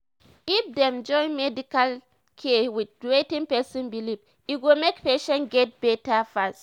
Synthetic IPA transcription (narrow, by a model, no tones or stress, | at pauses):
ifdɛ̃md͡ʒɔ̃ɪ̃nmɛdikal | kʰɛwid̚wetĩŋpɛsɔ̃nbilip | itwilmekpeʃɛ̃nɡɛt̚b̥ɛtafast